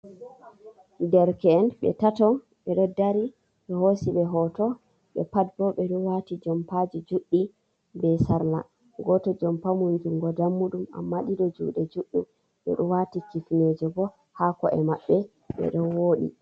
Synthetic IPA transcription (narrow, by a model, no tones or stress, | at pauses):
dɛɾkɛːnɓɛ̰tatɔ | ɓɛɗɔdaɾi | ɗɛhosiɓɛɦɔtɔ | ɓɛ̰pad̚bɔɓɛɗɔwatid͡ʒɔmpad͡ʒid͡ʒuɗːi | bɛsaɾla̰ | ɡɔtɔd͡ʒɔmpamund͡ʒuŋɡɔdamːuɗuma̰mːaɗiɗɔd͡ʒṵːɗɛd͡ʒuɗːum | ɓɛ̰ɗɔwatikifned͡ʒɔbɔ | hakɔʔɛ̰maɓːɛ | ɓɛ̰ɗɔwoɗḭ